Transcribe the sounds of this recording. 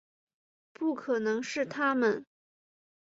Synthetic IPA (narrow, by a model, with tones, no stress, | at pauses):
pu˥˩kʰɤ˨˩nɤ˧˥ŋʂɻ̩˥˩t̪ʰa˥mə˨n